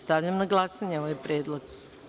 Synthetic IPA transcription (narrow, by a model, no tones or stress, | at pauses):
st̪aʋʎamnaɡlˠasaɲeoʋajpɾjeːd̪lˠoɡ